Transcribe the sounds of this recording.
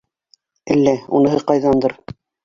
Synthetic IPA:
ælːæṵnɤ̆ɦɤqɑjðɑnd̪ɤɾ

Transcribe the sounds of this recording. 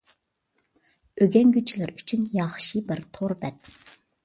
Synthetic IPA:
øɡʲɛnɡʲyt͡ʃʰilɪɾyt͡ʃʰynjɑχʃibɪɾt̪ʰoɾbɛt̪̚

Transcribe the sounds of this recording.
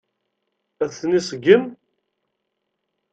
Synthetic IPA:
æðθnisˤəɡən

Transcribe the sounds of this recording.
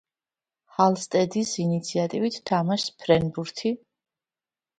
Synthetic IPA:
halˠst̪ʼɛd̪isinit̪sʰiat̪ʼivit̪ʰt̪ʰːamaʃspʰɾɛnbuɾt̪ʰi

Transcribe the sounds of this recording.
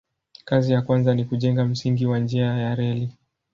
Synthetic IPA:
kazijakwanzanikuʄɛŋɡam̩siŋɡiwand͡ʒiajaɾɛli

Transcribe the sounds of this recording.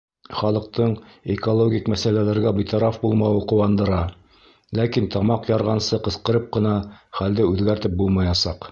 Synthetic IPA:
χɒlˠɤ̆q̚t̪ɤɴekolˠoɡʲikmæsælælæɾɡæbijt̪ɑɾɑfbulˠmɑwɤqŏwɑnd̪ɤ̆ɾɑ | lækint̪ɒmɑqjɑɾʁɑnsɤqɤ̆sqɤ̆ɾɤp̚qɤ̆nɑχæld̪ɘʉðɡæɾt̪ɘp̚bulˠmɑjɑsɑq

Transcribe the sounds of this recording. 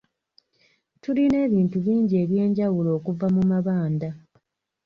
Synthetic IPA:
tuline̞ːβiːntuβiːɲɟie̞ːβje̞ːɲɟawulo̞ːkuvamumaβaːnda

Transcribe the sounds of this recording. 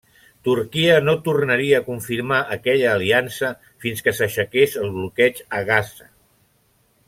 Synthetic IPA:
t̪uɾkiənot̪urnəɾiəːkuɱfiɾmaʔəkɛʎəːliansə | finskəsəʃəkesəlˠβlukɛt͡ʃəɣazə

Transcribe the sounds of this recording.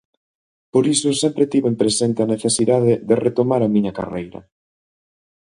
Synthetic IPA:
poɾisʊsɛmpɾet̪iβoempɾesent̪eaneθesiðaðeðeret̪omaɾɐmĩɲɐka̰rejɾɐ̰

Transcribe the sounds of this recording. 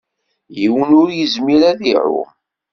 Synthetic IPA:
jiwənʊɾjəzmiɾæðiʕʊ̰m

